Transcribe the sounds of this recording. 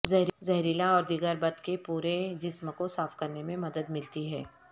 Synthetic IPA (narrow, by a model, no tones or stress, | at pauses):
zɐɦɾzɐɦɾɪlaɔːɾd̪ɪɡəɾbɐd̪kepuːɾed͡ʒɪsmkosaːfkɐɾnemẽmɐd̪əd̪mɪlt̪iɦɛː